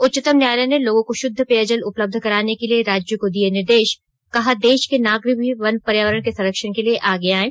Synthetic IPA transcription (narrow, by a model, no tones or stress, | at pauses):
ʊtːt͡ʃɪt̪əmnjaːləneloːɡõkoʃʊd̪ʱːəpeːəd͡ʒəlʊpləb̚d̪ʱkɐɾaːnekelieɾaːd͡ʒjokod̪ienɪɾd̪eːʃ | kɐɦad̪eːʃkenaːɡɾɪbʱiʋɐnpɐɾjaːʋəɾəɽ̃kesɐɾəkʃəɽkelieʔaːɡeaːẽː